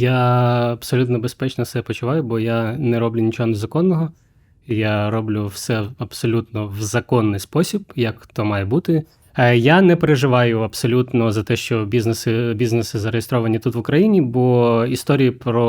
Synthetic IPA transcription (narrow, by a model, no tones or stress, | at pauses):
jaɐbsɔlʲut̪nɔbespɛt͡ʃnɔsɛpɔt͡ʃʊʋɑjʊbɔjanɛɾɔblʲʊnʲit͡ʃɔɦɔnezɐkɔnːɔɦɔ | jaɾɔblʲʊwsɛɐb̥sɔlʲut̪nɔʋzɐkɔnːɪjspɔsʲibjɐkt̪ɔmɑjɛbut̪ɪ | janɛpeɾeʒɪʋɑjʊɐpsɔlʲut̪nɔzɐt̪ɛʃt͡ʃɔbʲiznesɪbʲiznesɪzɐɾejest̪ɾɔʋɐnʲit̪ut̪ʋʊkɾɐjinʲibɔist̪ɔɾʲijipɾɔ